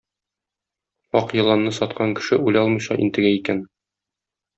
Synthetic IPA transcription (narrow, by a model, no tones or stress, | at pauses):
ɒqjɤ̆lˠɑnːɤsɒt̪qɑŋkɘ̥̆ʃɘulɒlˠmɤ̆jɕɑʔint̪ɘ̆ɡæikæn